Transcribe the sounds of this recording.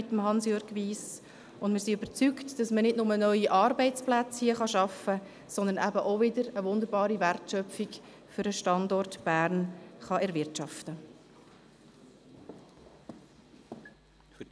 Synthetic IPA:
ɪt̪ːəmɦɑnsjøɾɡʋiːs | ʊndmɪːɾsiøbəɾt͡syktd̥ɑsmənɪdnʊmənœʏiʔɑrbɛɪt͡splæt͡shiəχɑʃɑfə | sɔnd̪ənæbəʔovɪdəɾəʋʊnd̪əɾbɑːɾiværtʃœpfik | fʏɾəʃtɑndɔrtb̥æːrnχɑʔɛɾvɪrtt͡ʃɑftə

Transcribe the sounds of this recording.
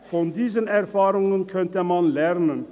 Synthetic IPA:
fɔnd̪iːzənɛʁfaːɾʊŋənkʰœnt̪əmɑnlɛʁnən

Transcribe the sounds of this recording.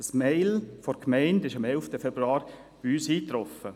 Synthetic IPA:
əsmɛɪlfɔɾkʰmɛɪndɪʃɑmɛlftəfɛbɾuɑːɾ | b̥iyːsiːt̪ɾɔfə

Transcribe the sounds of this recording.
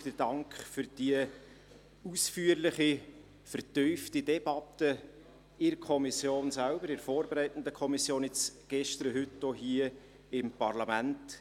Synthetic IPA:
d̥ədɑŋkχfʏɾd̥iə | usfyːəɾlɪχi | fəɾtyʏftidɛb̥ɑtːə | ɪɾkʰɔmisjoːnsælbəɾɪɾfoːɾbeɾæɪtən̩dəkʰɔmisjoːnɪt͡sɡ̥ɛʃtɾəɦʏtːoɦiə | ɪmpɑrlɑmænt

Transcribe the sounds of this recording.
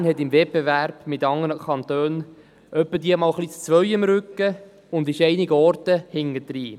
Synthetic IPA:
nhɛtɪmvɛt̚b̥evæɾb̥mɪtɑŋənəkʰɑnt̪øːn | ʔœpːədiːəmɑːlχlit͡st͡sʋœʏəmɾʏkːə | ʊnd̪ɪʃɛɪnɪɡəɔɾtəhɪŋəd̪̥ɾiː

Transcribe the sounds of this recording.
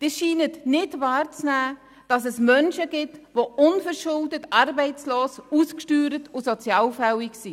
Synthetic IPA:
d̥iːʃiːnətnɪtʋɑːɾt͡snæː | d̥ɑsɛsmœnʃəɡɪtʋoʊnfəɾʃʊldətɑɾbɛɪt͡sloːsuskʃtyːɾətʊsɔt͡sjɑːlfɛwiksi

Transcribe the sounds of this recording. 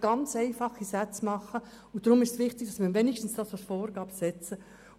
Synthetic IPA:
ɡ̥ɑnt͡seɪfɑχisæt͡smɑχə | ʊn̚d̥ɾʊmɪʃtsʋɪχtɪɡ̥̚d̥ɑsmɪːɾʋɛnɪʃtn̩sd̥ɑːsɑlsfoːɾɡ̥ɑːb̥sɛt͡sə

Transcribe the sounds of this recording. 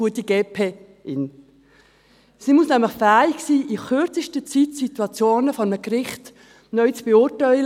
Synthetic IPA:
uət̪iɡeːpʰeː | ʔɪn | simusnæmləχfæːiɡsiːʔiχʏɾt͡səʃtət͡sitsit̪uɑt͡sjoːnəfɔɾməkrɪχt | nœʏt͡sb̥eʊtaɪ

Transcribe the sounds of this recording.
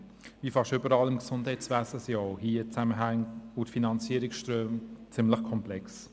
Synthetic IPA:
vifɑʃtʏbəɾɑːlɪmksʊndhɛɪt͡svæːsəsjɔːhiːət͡sæməɦæŋʊtfinɑnt͡siəɾɪksʃtɾøːmt͡sɪmləχkʰɔmplɛks

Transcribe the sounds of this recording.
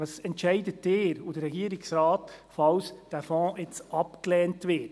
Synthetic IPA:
ɑsɛntt͡ʃɛɪdəteːɾud̥əɾɛɡiːəɾɪksɾaːtfɑwsd̥æːfɔ̃ːet͡sɑpklɛːntʋɪ

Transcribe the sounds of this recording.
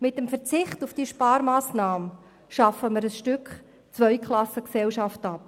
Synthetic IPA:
mɪtəmfəɾt͡sɪχtufd̥iʃpɑːɾmaːsnɑːmə | ʃɑfəməɾəsʃtʏkχ | t͡svœʏkʰlˠɑsəksɛlʃɑftɑp̚

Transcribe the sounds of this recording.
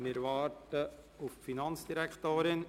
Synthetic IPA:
mɪɾʋɑːɾtə | ʊffinɑnt͡sd̥iɾækχt̪oːɾɪn

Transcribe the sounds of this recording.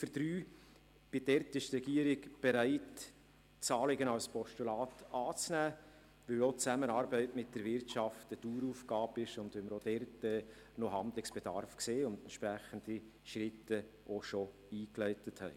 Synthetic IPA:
fəd̥ɾyː | b̥ɪdɛɾtɪʃtrɛɡiəɾɪɡb̥ɛɾæɪt | t͡sɑːlɪɡənɑlspʰɔʃtulɑːtɑːt͡snæː | ʋɪlot͡sæmənɑːɾbɛɪtmɪt̚d̥əɾvɪɾtʃɑftətuːɾuːfɡɑːbɪʃʊnd̪ʋɪməɾod̥ɛrtɛː | noɦɑndlɪksb̥ɛd̥ɑ̰rfkseːʊndɛntʃpɾæχənd̥i | ʃɾɪtːə | ʔoʃo | iːklɛɪtəthɛɪ

